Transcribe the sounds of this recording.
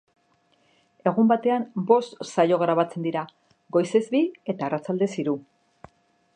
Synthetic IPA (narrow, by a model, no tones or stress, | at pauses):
e̞ɣ̞umbat̪e̞ambo̞st̪sajo̞ɣɾaβ̞at͡se̞nd̪iɾa | ɡo̞jse̞zbie̞t̪aːrat͡sald̪e̞siɾu